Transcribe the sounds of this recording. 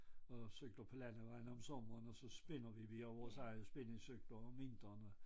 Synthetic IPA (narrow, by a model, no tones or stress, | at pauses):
ɒ̽søɡ̥lɐpʰɒ̽lænəʋɑ̈ɪ̰nəɒ̽msɔ̽mɐnɒ̽sɒ̽sb̥e̝nɐʋiʋiɐʋɒsɑɪəsb̥e̝neŋsøɡ̥l̥ɐme̝nd̥ʁɐnə